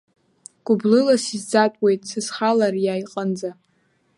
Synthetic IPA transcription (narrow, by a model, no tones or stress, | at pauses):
ɡ̥ʷʼʊblɨlasizd͡zatʼwe̞jtʼsɨsχalarjajqʼand͡za